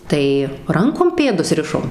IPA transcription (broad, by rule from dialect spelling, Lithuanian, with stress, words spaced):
ˈtɐɪ ˈrɐŋkoːm ˈpʲeːdʊs ˈrʲɪʃoːm